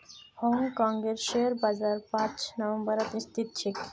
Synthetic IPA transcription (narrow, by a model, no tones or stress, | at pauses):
hɔŋkɔŋɡeɾʃeɾbad͡ʑaɾpãt͡ɕnɔʋembəɾat̪ist̪it̪t͡ɕʰik